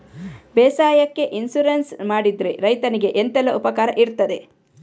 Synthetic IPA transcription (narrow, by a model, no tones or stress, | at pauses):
bɛːsaːjɐkːe̞ʔinsuɾensmaːɽid̪ɾeɾɐjt̪ɐniɡe̞ʔent̪ɛlːɐʔupɐkaːɾɐ̰ʔiɾt̪ːɐd̪e̞